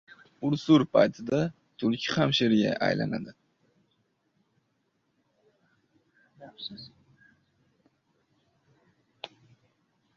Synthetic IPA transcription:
ʊɾsuɾpʰa̰jt̪ʰɪd̪a | t̪ʰʊɾkʲʰɪhamʃeɾɡʲa̰ʔa̰jla̰na̰d̪ɪ

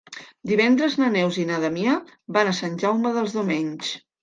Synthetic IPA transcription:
d̪iβɛnd̪ɾəznənɛwzinaðəmiəbanəsanʲʒawməðəlˠzðumeɲʲs

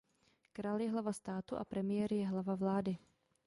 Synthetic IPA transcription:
kɾaːljɛɦlavast̪aːt̪uʔa̰pɾɛmɪjɛɾɪjɛɦlavavlaːdɪ

